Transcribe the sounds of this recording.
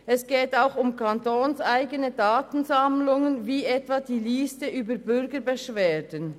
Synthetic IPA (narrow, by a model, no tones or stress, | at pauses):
ɛsɡ̥ɛːtaʊxʊmkʰɑntoːnsʔaɪɡənədaːtən̩zɑmlʊŋənviːʔɛtvɑːd̥iːliːstəʔyːbəɾbʏɾɡəɾbəʃveːdən